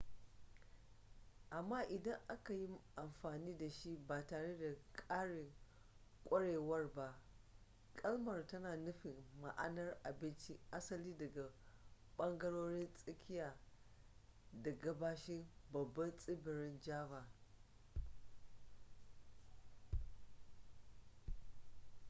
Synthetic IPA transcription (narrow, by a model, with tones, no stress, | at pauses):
ʔa˨mːaː˦ʔɪ˨dɐ˦ŋʔa˦ka˨ji˦mʔa˨mɸaː˨niː˦da˨ʃi˦baː˨taː˨ɽe˦da˨kʼaː˦ɽɪ˨ŋ | kʷʼɐ˦ɽeː˨wɐ˦rba˦ʔ | kʼɐ˦lmɐ˨rtɐ˦naː˨nʊ˦ɸɪ˨mma̰˨ʔa˦nɐ˦rʔa˨bɪ˦nt͡ʃi˦ʔa˦sɐ˦liː˦dɐ˨ɡa˨ɓɐ˦ŋɡɐ˦ɽoː˦ɽɪ˦nsʼɪ˦kʲɪ˦jaː˨ | da˨ɡɐ˦baː˦ʃɪ˦mbɐ˨bːɐ˦nsʼɪ˦bɪ˨ɾɪ˦nd͡ʒaː˦baː˨